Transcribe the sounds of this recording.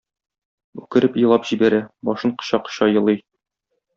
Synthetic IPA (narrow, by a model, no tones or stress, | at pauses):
ʉkɘ̆ɾɘpjɤ̆lˠɑpʑibæɾæbɒʃɤɴqɤ̥̆ɕɑqɤ̥̆ɕɑjɤ̆lˠɤj